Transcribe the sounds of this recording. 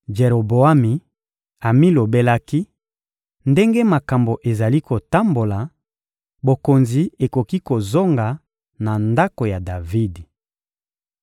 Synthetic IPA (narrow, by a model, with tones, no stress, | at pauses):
d͡ʒe˨ɾo˨bo˨a˦mi˨ | a˨mi˦lo˨be˦la˦ki˦ | nde˦ŋɡe˦ma˨ka˨mbo˨ʔe˨za˨li˦ko˨ta˦mbo˨la˨ | bo˨ko˨nzi˨e˨ko˨ki˦ko˨zo˦ŋɡa˨ | na˨nda˦ko˨ja˨da˨vi˦d